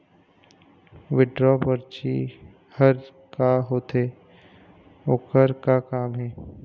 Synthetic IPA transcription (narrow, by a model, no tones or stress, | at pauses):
ʋɪɖɾɔːpəɾt͡ʃi | həɾ | kaɦoːt̪eː | oːkəɾkakaːmɦɛː